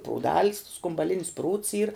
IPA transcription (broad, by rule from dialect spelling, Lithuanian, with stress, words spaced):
pruːˈdɐlʲs skʊmbɐˈlʲɪnʲɪs pruːts ˈiːr